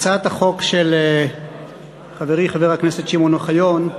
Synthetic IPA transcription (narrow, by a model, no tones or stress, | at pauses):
t͡sat̪haχo̞kʃele | χaveʁiχaveʁakneset̪ʃimo̞naχajo̞n